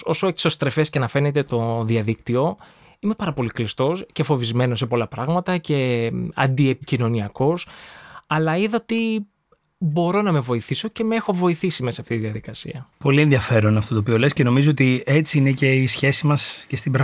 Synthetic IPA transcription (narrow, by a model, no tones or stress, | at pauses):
o̞soekso̞st̪ɾe̞fe̞scenɐfe̞ne̞t̪e̞t̪o̞ðiɐðikt̪io̞ | ime̞pɐɾɐpo̞liklist̪o̞scefo̞vizme̞no̞s̬epo̞lɐpɾɐɣmɐt̪ɐce̞ɐ̰nd̪iepicino̞niɐko̞sɐlɐiðɐt̪i | bo̞ɾo̞nɐme̞vo̞iθiso̞ce̞me̞xo̞vo̞iθisime̞sɐɐft̪it̪iðiɐðikɐsḭɐpo̞lie̞nðiɐfe̞ɾo̞nɐft̪ot̪oːpio̞le̞sceno̞mizoot̪iet͡siine̞ce̞isçe̞simɐsce̞st̪ibɾɐ